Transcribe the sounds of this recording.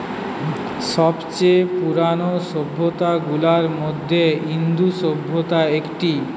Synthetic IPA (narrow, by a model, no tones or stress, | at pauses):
ʃɔbt͡ɕepuɾanoʃobʱːot̪aɡulaɾmod̪ʱːeɦind̪uʃobʱːot̪aekʈi